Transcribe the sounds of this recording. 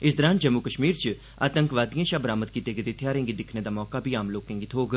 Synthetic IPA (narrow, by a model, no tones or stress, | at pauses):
ɪsd̪əɾãːnd͡ʒəmːukəʃmiːɾt͡ʃ | a̰ːt̪ə̃ŋkʋaːd̪ijãːʃaːbəɾaːmət̪̚kiːt̪eːɡed̪et̪ʰjaːɾẽŋɡid̪ɪkʰneːd̪aːmɔːkaːbʱiːaːmloːkẽːŋɡit̪ʰɦoːɡ